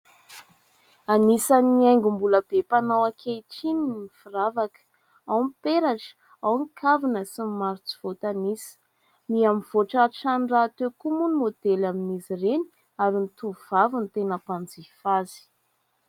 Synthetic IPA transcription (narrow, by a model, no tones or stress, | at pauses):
anisaniajŋɡumbuləb̥epanawakʰejʈ͡ʂinininifiɾavakə̥ | awmpeɾaʈ͡ʂə̥ | awnikʰavinəsimmaɾit͡si̥v̥ot̪anisə̥ | miamiv̥oʈ͡ʂaʈ͡ʂanrat̪ekumunimod̪̥elaminizireni̥ | aɾinit̪uv̥avint̪enəpand͡zifazi̥